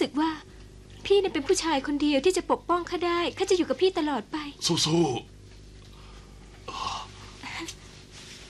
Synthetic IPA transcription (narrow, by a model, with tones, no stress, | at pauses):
sɯ˨˩k̚waː˥˩ | pʰiː˥˩na˥˩pe˧npʰuː˥˩t͡ɕʰaː˧jkʰo˧ndi˧əwt̪ʰiː˥˩t͡ɕa˨˩po˨˩k̚pɔ˥˩ŋkʰaː˥˩daː˥˩jkʰaː˥˩t͡ɕa˨˩juː˨˩ka˨˩pʰiː˥˩t̪a˧lɔː˨˩t̪̚pa˧jsuː˧˩suː˧˥˩ | ʔ